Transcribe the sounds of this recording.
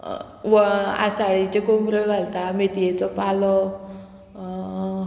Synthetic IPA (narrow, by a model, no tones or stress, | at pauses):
ʋəa̰saɭit͡ɕekombɾəɭɡʱalt̪amet̪ijet͡sɔpalɔ